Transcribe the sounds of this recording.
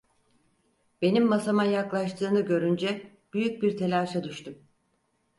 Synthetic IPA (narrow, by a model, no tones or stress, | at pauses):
b̥e̞nimːasamajaklˠaʃt̪ʰɯːnɯɟø̞ɾynd͡ʒɛ | b̥yjyc̚biɾt̪ʰe̞lʲaːʃad̪yʃt̪ʰum